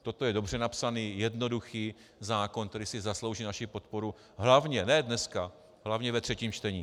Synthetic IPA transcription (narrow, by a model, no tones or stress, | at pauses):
t̪o̞t̪ojɛdo̞br̝ɛnapsaniːjɛdno̞duxiː | zaːko̞nk̪t̪ɛɾɪsɪzaslo̞wʒiːnaʃipo̞t̪po̞ɾu | ɦlavɲɛnɛdnɛska | ɦlavɲɛvɛt̪r̥ɛciːmt͡ʃt̪ɛɲiː